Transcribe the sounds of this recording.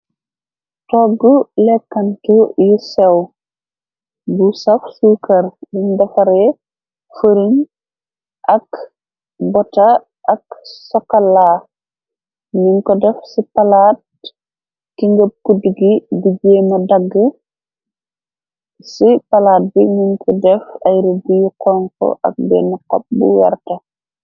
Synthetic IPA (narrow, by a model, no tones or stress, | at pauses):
tɔɡːulɛkːɐntujusɛw | busɐfsuːkɐɾbiɲdɐfɐɾɛ | fəɾiɲ | ʔɐk | bɔtɐ | ʔɐksɔkala | ɲuŋkɔdɛfsipalaːt̚ | kiŋɡəp̚kudiɡibiɡɛːmɐdɐɡːə | sipɐlaːt̚biɲiŋkʰɔdɛfɐjɾibijukɔŋkɔ̰ʔɐ̰k̚bɛ̰ːnikɔ̰p̚bṵwɛ̰rtɐ